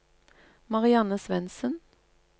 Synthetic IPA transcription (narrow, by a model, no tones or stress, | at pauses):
mɑʁɪɑnəsʋɛnsən